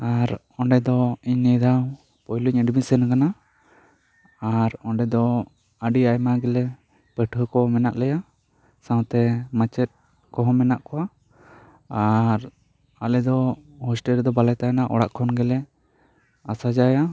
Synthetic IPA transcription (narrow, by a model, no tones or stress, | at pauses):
aɾ | ɔɳɖɛd̪ɔiɲnɛd̪aw | pɔjluɲəɖbisɛnakana | aɾɔɳɖɛd̪ɔ | əɖiajmaɡɛlɛ | pəʈʰəkɔmɛnaʔlɛja | sãwt̪ɛmat͡ʃɛt̪̚ | kɔɦɔmɛnaʔkɔwa | aɾ | alɛd̪ɔhɔsʈɛld̪ɔbalɛt̪anaʔɔ̰ɽaʔkʰɔnɡɛlɛ | asad͡ʒaja